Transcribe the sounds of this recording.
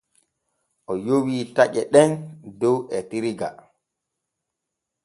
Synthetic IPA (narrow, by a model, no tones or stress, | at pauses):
ʔɔjowiːtaʔɛɗɛndɔwɛtiɾiɡa